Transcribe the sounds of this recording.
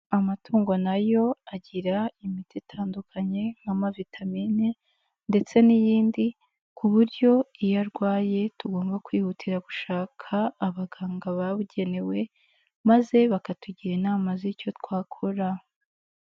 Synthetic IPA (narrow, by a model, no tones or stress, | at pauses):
amatʰuːŋɡo̞najo̞aɟiɾaimititʰaːndukʰaɲe̞ŋ̥amavitʰamiːni | nde̞t͡se̞nijiːndi | kuβuɾɟo̞ijaɾɡwaːje̞tuɡo̞ːmbakwiːhutʰiɾaɡuʃaːkʰaːβaɡaːŋɡaβaβuɟe̞ne̞we̞ | maze̞βakatuɟiɾiːnaːmazico̞tkwaːkʰoɾa